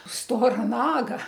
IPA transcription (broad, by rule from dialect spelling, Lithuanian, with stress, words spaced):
ˈstoːrɐ ˈnɑːɡɐ